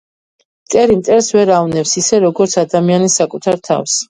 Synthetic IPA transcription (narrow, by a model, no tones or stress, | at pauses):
mt̪ʼɛɾimt̪sʼɛɾsvɛɾavnɛpsisɛɾɔɡɔɾt̪sʰad̪amianisakʼut̪ʰaɾt̪ʰa̰fs